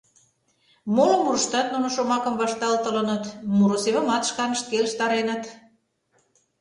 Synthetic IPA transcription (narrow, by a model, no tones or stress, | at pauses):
molŏmuɾəʃt̪ɑt̪̚nunŏʃomɑkə̆mβɑʃt̪ɑlt̪ələnə̆t̪muɾoseβə̆mɑt̪ʃkɑnə̥̆ʃt̪̚keləʃt̪ɑɾenət̪